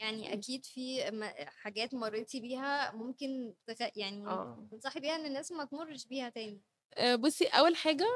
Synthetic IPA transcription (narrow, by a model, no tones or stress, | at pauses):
jaʕniʔæ̰kiːd̪fimæħaɡæːt̪mɑrˤːet̪ibiːɦæmomkent̪eɣæʔjaʕniæ̰ːmensˤɑħbiːhæʔenːenːæːsmæt̪morˤːeʃbiːhæt̪æːni | ʔbosːiʔæwːælħaːɡæ